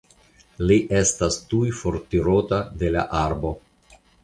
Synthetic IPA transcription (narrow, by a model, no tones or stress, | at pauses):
liʔe̞stastujfo̞ɾtiɾo̞tade̞la̰ʔaɾbo̞